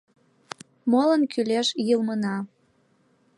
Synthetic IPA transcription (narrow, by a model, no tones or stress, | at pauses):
molənkyleʃjɯlmənɑ